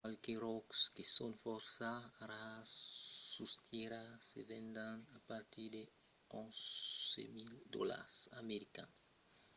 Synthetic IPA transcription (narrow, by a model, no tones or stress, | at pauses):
alkeɾɔkskesõnfɔɾsaɾasːust̪ʰiɾasḛvẽnd̪ãnapaɾt̪iɾd̪e | õzḛmild̪ɔ̰la̰ɾsa̰meɾikã̰ns